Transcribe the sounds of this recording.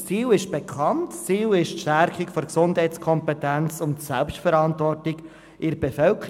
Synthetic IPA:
t͡siːlɪʃb̥ɛkʰɑntt͡siːlɪʃtʃtæɾkɪkfɔɾksʊndɦɛtskʰɔmpɛtænt͡sʊntsɛlpstfəɾɑntvɔrtɪɡ | ʔɪɾbɛfœlkə

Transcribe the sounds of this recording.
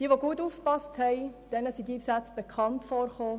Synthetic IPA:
d̥iːʋoɡuətuːfkpɑsthɛɪd̥ɛnəsidipsat͡sb̥ekχɑntfoːrχoː

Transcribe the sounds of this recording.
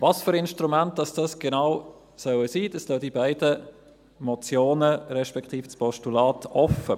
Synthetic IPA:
vɑsfyɾɪnʃtɾumænt̚d̥ɑsd̥ɑsɡ̥enaʊ | sœwəsiːd̥ɑstoːdibæɪdə | mɔt͡sjoːnəɾɛʃpɛkʰt̪iːft͡spʰɔʃtulɑːtɔfə

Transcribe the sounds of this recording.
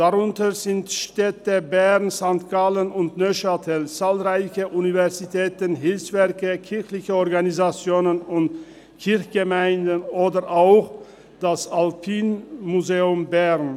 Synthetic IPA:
d̥aʁʊntəzɪntʃtɛtəbɛʁnzaŋt̚ɡ̥alənʊntnøʃatʰɛlt͡saːlʁaɪçəʔunivɛʁzitʰɛːtənɦɪlfsv̥ɛɐkəkʰɪɐçlɪçəɔʁɡanizat͡sjoːnənʊnt | kʰɪɐçɡ̥əmaɪndənoːdəʁʔaʊx | d̥asalpʰiːnmuzeːʊmbɛʁn

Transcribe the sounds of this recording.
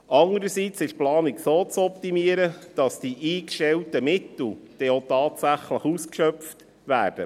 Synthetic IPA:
ɑŋəɾəsit͡sɪʃplɑːniksoːt͡sɔptimiəɾəd̥ɑsd̥iʔiːkʃtɛltəmɪtl̩d̪̥ɛot̪ɑːtsæχləχuskʃœpft | ʋæːrd̥ə̰

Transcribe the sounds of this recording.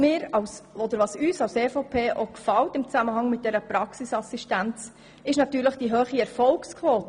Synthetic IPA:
mɪːɾɑwsɔd̪əɾʋɑːsyːsɑwseːfopʰeːʔokfɑltɪmt͡sæməɦɑŋmɪt̚d̥ɛɾəpɾɑksisɑsiʃtænt͡s | ɪʃnɑt̪yːɾləχd̥iɦøːχiɛɾfɔlkskʰʋoːt

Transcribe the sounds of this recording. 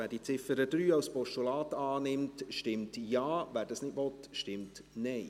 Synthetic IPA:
æːɾd̥iːt͡sɪfəɾəd̥ɾyːɑʊspɔʃtulɑːtɑːnɪmtʃtɪmtjɑːʋæːɾdɑsnɪdvɔtʃtɪmtnɛɪ

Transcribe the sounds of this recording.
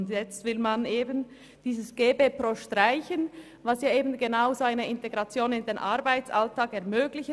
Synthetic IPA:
ndjɛt͡stvɪlmanʔeːbən | d̥iːzəsɡ̥eːbeːpʁoːʃtʁaɪçən | vɑsjaːeːbən̩ɡenaʊzoaɪnəʔɪnteɡʁɑt͡sjoːnɪndeːnʔaʁbaɪt͡sʔaltʰaːkɛɐmøːɡlɪç

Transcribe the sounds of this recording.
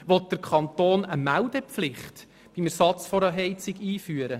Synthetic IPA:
ʋɔt̚d̥əɾkʰɑnt̪oːnəmældɛpflɪχt | b̥imæɾsɑt͡sfɔɾɑɦɛɪt͡sɪɡiːfyːəɾə

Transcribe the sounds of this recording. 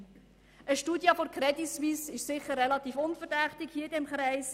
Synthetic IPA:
əʃtuːdjəfoɾkʰɾɛdisʋiːsɪʃsɪχərːɛlɑt̪iːfʊnfəɾdɛχtɪɡhiːədɛmχɾɛɪs

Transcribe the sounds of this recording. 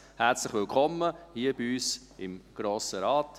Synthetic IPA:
hɛɾt͡slɪχʋɪlkʰχɔmːəhiəbiyːs | ɪmɡ̥ɾoːsəɾɑːt

